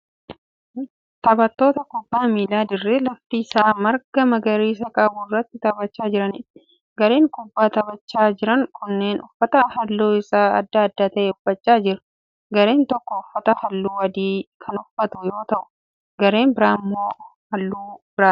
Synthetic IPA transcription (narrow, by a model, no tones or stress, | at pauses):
t̪ɐbɐt̪ːo̞ːt̪ɐkʊbːaːmiːlaːd̪ɪrːelɐft̪iːsaːmɐɾɡɐmɐɡɐɾiːs̬ɐkʼɐbuːrːɐt̪ːɪt̪ɐbɐt͡ʃːaːd͡ʒɪɾɐnɪt | ɡɐɾe̞ːŋkʼʊbːaːt̪ɐbɐt͡ʃːaːd͡ʒɪɾɐŋkʰʊnːeːnʊfːɐt̪ɐhɐlːoːɪsaːɐd̪ːaɐd̪ːaːt̪ɐʔeʊfːɐt͡ʃːaːd͡ʒɪɾɐ̥ | ɡɐɾe̞ːnt̪ɔkːɔʊfːɐt̪ɐhɐlːuːwɐd̪iːkʰɐnʊfːɐt̪ʊjo̞ːt̪ɐʔʊ̥ | ɡɐɾe̞ːmbɪɾaːmːoː | hɐlːuːbɪɾaː